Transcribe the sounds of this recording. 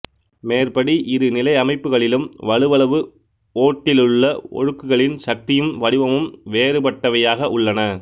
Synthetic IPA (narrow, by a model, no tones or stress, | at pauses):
meːrpɐɽiʔɪðɯnɪlɐɪɐmɐɪpːɯɣɐɭɪlɯmʋɐɭɯʋɐɭɐʋɯ | oːʈːɪlɯɭːɐɔ̰ɻɯkːɯɣɐɭɪnʃɐk̚t̪ɪjɯmʋɐɽɪʋɐmɯmʋeːɾɯpɐʈːɐʋɐjaːɣɐʔʊɭːɐnɐ